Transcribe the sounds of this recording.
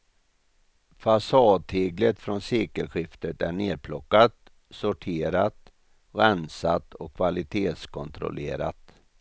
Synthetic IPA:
fasɑːd̪̚heːɡlət̪fɾɔnseːkəlɧɪft̪ət̪æɳeːd̪̚pʰlɔkːat̪ | sɔʈʰeːɾat̪ | ɡansat̪ːɔkʰːvalɪt̪ʰeːt̪skʰɔnt̪ɾʊ̰lḛːɾa̰t̪

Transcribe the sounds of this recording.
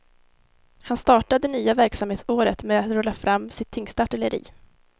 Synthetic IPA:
hanst̪ɑːʈad̪ɛnyːavæɾksamheːt̪soːɾət̪mɛat̪ɾœːlːafɾamːsɪt̪ʰːʏŋst̪aʈɪləɾḭː

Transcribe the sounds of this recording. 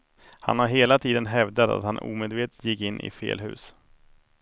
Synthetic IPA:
ha̰nhaɾɦeːlat̪ʰiːd̪ənɦɛvd̪at̪a̰t̪hanṵːmeːd̪veːt̪ə̥jɪkːɪnːʔɪ̰fḛːlɦʉ̟ːs

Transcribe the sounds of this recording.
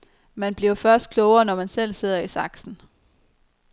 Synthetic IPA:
mænb̥liɐʊfɶɐsd̥̚kʰlɔʊɐnɒmænsel̰se̝ð̞̰ˠɐisɑ̈ɡ̥sn̩

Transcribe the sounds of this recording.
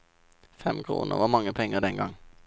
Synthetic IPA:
fɛmkʰʁṵːnʔə̰ʁʋɑːmɑŋːəpʰɛŋːəʁd̪ɛnɡɑŋ

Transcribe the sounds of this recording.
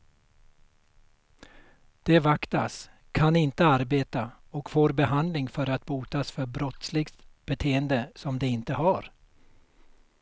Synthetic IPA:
d̪̥ɛvakt̪a̰s | kʰanɪnt̪əaɾbeːt̪a | ɔkfoːɾbɛɦand̪lɪŋfœɾat̪buːt̪asfœɾbɾɔt̪slɪɡt̪b̥ɛt̪ʰeːənd̪əsɔmd̪ɛɪnt̪əɦaɾ

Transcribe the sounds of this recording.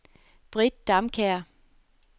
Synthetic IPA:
b̥ʁid̥̚ːɑ̈mkʰæɐ̰

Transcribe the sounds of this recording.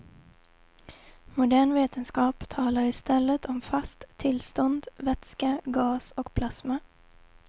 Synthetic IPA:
mʊd̪æːɳveːt̪ənskɑːpt̪ʰɑːlaɾɪst̪ɛlːət̪ʰɔmfast̪ʰːɪlst̪ɔnd̪vɛt̪skaɡɑːsɔkpʰlasma

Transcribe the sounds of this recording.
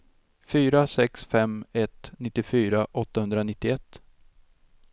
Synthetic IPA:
fyːɾasɛksfɛmɛt̪nɪt̪ːɪfyːɾaʔɔt̪ːahɵnd̪ɾanɪt̪ːɪɛt̪ː

